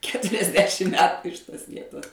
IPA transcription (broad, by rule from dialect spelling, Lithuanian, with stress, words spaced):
kʲɛtʊrʲɛzʲˈdʲæːʃʲɪm ˈmʲæːtʊ ɪʃ ˈtoːs ˈʋʲiɛtoːs